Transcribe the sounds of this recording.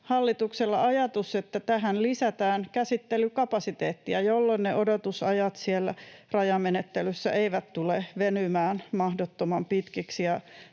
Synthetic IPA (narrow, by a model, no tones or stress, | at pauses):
hɑlːit̪ukselːɑɑjɑt̪uset̪ːæt̪æɦænlisæt̪æːnkæsit̪ːelykɑpɑsit̪eːt̪ːiæjolːonneʔodot̪usɑjɑt̪sielːæ̰rɑjɑmmenet̪ːelysːæ̰ʔeiʋæt̪t̪uleʋenymæːnmɑhdot̪ːomɑmpit̪kiksiɑ